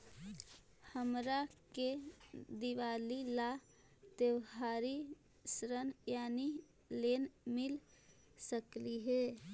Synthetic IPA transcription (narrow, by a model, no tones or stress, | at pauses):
həmɾaked̪iʋaːlila | t̪ewɦaːɾi | sɾənjaːni | lenmɪl | səkliɦɛ